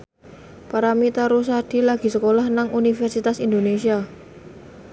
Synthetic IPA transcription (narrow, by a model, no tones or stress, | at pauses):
paɾamit̪aɾus̬ad̥i̤laɡ̥i̤səkolahnaŋunifɛrsit̪asind̪onesia